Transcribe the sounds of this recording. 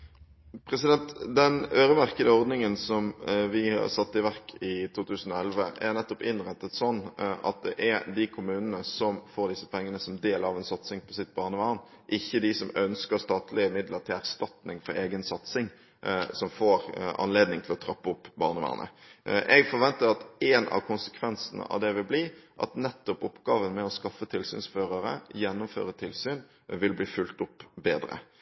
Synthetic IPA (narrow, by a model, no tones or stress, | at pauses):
pʰɾɛsɪd̪ɛnt̪d̪ɛnøːɾəmæʁkəd̪əɔɾd̪nɪŋənsɔmʋɪhɑ̰ʁsɑt̪ːɪʋæʁkʰɪt̪ʰuːt̪ʉːsən̩ɔɛlʋəʔæʁnɛt̪ːɔpɪnʁɛt̪ːət̪sɔnːʔɑ̰t̪̚d̪ɛ̰ʔæd̪ɪkʰʊmʉːnənəsɔmfoːɾd̪ɪsːə̥pʰɛŋːənəsɔmd̪eːləɑʋɛnsɑt̪sɪŋpʰɔsɪt̪̚ːbɑːʁnəʋɑːʁn | ʔɪçːəd̪ɪsɔmœnskəɾst̪ɑːt̪ʰlɪəmɪd̪ləɾt̪ʰɪlæɾst̪ɑt̪nɪŋfɔɾeːɡənsɑt̪sɪŋ | sɔmfoːɾɑ̰nleːd̪nɪŋt̪ʰɪlɔt̪ʰɾɑpːəʊpːbɑːʁnəʋɑ̰ːʁnʔə̰ | ʔɛɡfɔɾʋɛnt̪əɾɑt̪ɛnɑ̰ʋkʰʊnsə̥kʰʋɛnsənə̰ʔɑ̰ʋd̪ɛʋɪlbliːʔɑ̰t̪nɛt̪ːɔpɔpɡ̥ɑːʋənmɛɔskɑfːət̪ʰɪlsy̰ːnsføːʁəɾə̰jɛnːʊmfø̰ːɾət̪ʰɪlsyːn | ʋɪlbliːfʉlt̪ʊpːbeːd̪ɾə̰